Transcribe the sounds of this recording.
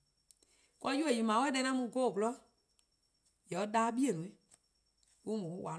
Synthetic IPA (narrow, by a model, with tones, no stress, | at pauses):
kɔ˧˦ju˦e˨ji˨mãː˨˦wɛ˦ɗɛ̃˧˦ã˦mũ˧˦ɡo˦˨bɔ˨lɔ˦ | jɛ˨˦ɗaː˦ɓi˦e˨nũ˨i˦ | ku˦mũ˨˦wa˨